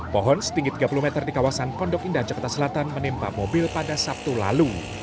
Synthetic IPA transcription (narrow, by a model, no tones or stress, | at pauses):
pɔɦɔnsə̥t̪iŋɡit̪iɡapulumɛt̪ərdikawasanpɔndɔkindahd͡ʒakart̪asəlat̪anmənimpamobɪlpadasap̚t̪ula̰lu